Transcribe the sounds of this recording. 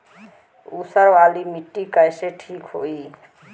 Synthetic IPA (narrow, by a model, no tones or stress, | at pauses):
usəɾʋalimiʈːikəjseʈʰikɦo̰i